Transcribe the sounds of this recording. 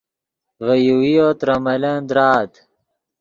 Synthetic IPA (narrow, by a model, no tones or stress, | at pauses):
vɐjuwijot̪ɾɐmɐlɐnd̪ɾaːt̪